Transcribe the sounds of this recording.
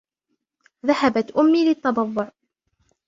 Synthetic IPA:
ðahabat̪ʔʊmːiːlɪt̪ːɑb̪ˤɑðˤːʊʕ

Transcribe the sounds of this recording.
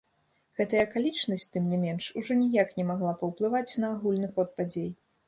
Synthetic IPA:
ɣɛt̪ɐjɐkalʲit͡ʂnɐsʲt͡sʲt̪ɨmnʲɛmʲɛnʂuʐɔnʲijaknʲɛmaɣlˠapɐwplˠɨvat͡sʲnɐːɣulʲnɨxɔt̪̚pad͡zʲej

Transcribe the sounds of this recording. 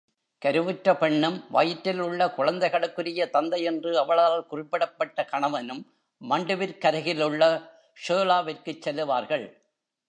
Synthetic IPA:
kɐɾɯʋɯʈɾɐpɛɳːɯmʋaːjɪʈːɪlʊɭːɐkʊɻɐnd̪ɐɪɣɐɭɯkːɯɾɪjɐt̪ɐnd̪ɐjɛndrɯɐʋɐɭaːlkʊrɪpːɪɽɐpːɐʈːɐkɐɳɐʋɐnɯmː | ɐɳɖɯʋɪɾkɐɾɐɣɪlɯɭːɐ | ʂoːlaːʋɪɾkɯt͡ʃːɛlːɯʋaːɾɣɐɭ

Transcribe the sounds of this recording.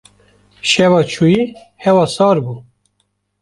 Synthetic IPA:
ʃɛvɑt͡ʃʰuji | hɛwɑːsɑːɾbuː

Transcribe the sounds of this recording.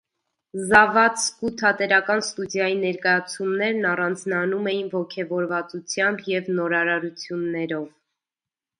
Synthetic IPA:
zɑvɑt͡skut̪ʰɑt̪ɛɾɑkɑnst̪udjɑjinɛɾkɑjɑt͡sʰumnɛɾnɑrɑnd͡znɑnumɛjinvɔkʰɛvɔɾvɑt͡sut͡sʰjɑmbjɛvnɔɾɑɾɑɾut͡sʰjunːɛɾɔv

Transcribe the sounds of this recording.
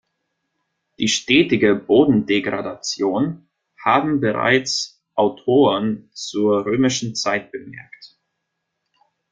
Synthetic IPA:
d̥iːʃtɛːtɪɡəboːdn̩deɡʁa̰dat͡sjoːn | haːbm̩bəʁa̰ɪt͡s | ʔaʊtʰoːʁənt͡suːɐʁøːmɪʃn̩t͡saɪt̚b̥əmɛ̰ɐkt

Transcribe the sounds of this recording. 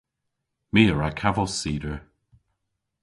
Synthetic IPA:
miːəɹakʰavɔlsiːdəɹ

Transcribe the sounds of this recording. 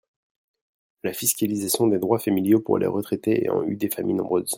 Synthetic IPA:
lafiskʲalizasjɔ̃d̪ed̪ʁwafamiljopṵʁlʔḛʁət̪χɛt̪eḛɑ̰̃yd̪efamijnɔ̃bʁøz

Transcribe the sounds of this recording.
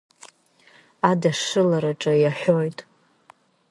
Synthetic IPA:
adaʂɨlaɾaʈ͡ʂʼajaħʷᶣojtʼ

